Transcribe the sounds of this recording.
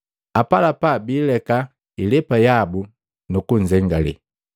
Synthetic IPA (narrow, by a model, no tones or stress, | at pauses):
apalapabiːlɛka | ilɛpajabu | nukuɲ̩d͡ʒɛŋɡalɛ̰